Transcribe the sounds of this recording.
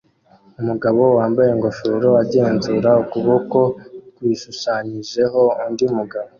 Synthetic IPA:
umuɡaβo̞waːmbaje̞ŋɡo̞ʃoɾo̞aɾɟe̞ːnzuɾaukuβoko̞kwiːʃuʃaɲiʒe̞ɦo̞undimuɡaβo

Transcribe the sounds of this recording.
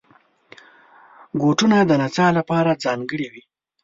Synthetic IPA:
ɡoʈunad̪ənat͡ʃɑlapɑɾad͡zɑŋɡəɽiwi

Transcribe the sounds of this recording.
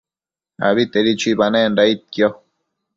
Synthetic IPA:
a̰βit̪eɾit͡ʃibanẽndait̪̚kjo

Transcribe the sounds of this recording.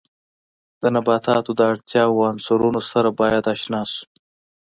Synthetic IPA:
d̪̥ənabɑt̪ɑt̪od̪əaɽt̪jɑwansuɾunosaɾabɑjad̪ɑʃnɑsu̥

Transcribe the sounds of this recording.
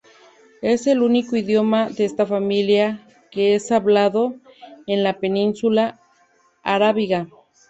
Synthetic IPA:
eselunikoiðjomaðeest̪afamilja | keesaβlaðoenlapeninsulaː | ɾaβiɣa

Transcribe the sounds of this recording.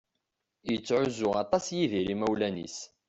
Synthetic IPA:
jət͡sːʕʊzʊɑt̪ˤɑsjiðiɾimæwlænḭs

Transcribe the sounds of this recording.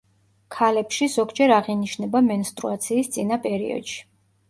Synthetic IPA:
kʰalɛpʃizɔɡd͡ʒɛɾaʁiniʃnɛbamɛnst̪ʼɾṵat̪sʰiːst̪sʼinapʼɛɾḭɔ̰d̪̥ʃi̥

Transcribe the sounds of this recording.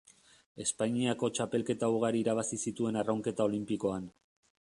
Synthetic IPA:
e̞spaɲiako̞t͡ʃape̞lke̞t̪auɣaɾiːɾaβ̞asisit̪ue̞narawŋke̞t̪ao̞limpiko̞an

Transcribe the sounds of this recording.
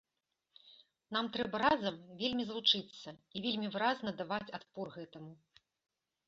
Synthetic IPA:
n̪amt̪ɾɛbɐɾazɐmvʲelʲmʲizlˠut͡ʂɨt̪sːɐivʲelʲmʲivɨɾaznɐd̪avat͡sʲat̪̚pɔrɣɛt̪ɐmu

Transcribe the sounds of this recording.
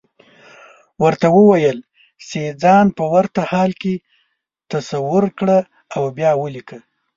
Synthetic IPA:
wəɾt̪awəwajəl | sed͡zɑnpəwaɾt̪ahɑlke | t̪asawʊɾkɽə | awbjɑwəlikə

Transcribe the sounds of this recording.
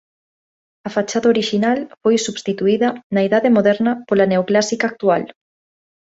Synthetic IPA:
ɐfat͡ʃaðɐoɾiʃinalfojsuβst̪it̪uiðɐnɐiðaðemoðɛɾnɐpolɐneoklasikak̚t̪ual

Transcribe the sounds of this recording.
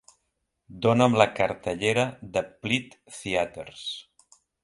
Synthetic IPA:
d̪onəmləkəɾt̪əʎeɾəðəplit̪θiat̪əɾs

